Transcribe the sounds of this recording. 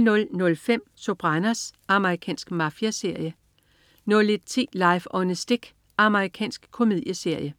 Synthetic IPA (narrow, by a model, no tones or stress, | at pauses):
nɔ̽lnɔ̽lfem̰sob̥ʁɑnæsɑ̈məʁikʰɛ̰ːnsɡ̥mɑ̈fjæse̝ɐ̰jə | nɔ̽led̥̚t͡sʰḭːlɑ̈ɪfɒ̽nəsd̥eɡ̥ | ɑ̈məʁikʰɛ̰ːnsɡ̥kʰo̝mið̞̰ˠjəse̝ɐ̰jə